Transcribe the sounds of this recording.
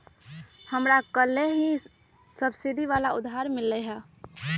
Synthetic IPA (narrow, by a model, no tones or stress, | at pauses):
həmɾakəlːeɦi | səbsiɖiʋaːlaʊd̪ʱɦaɾmɪlːɛɦɛ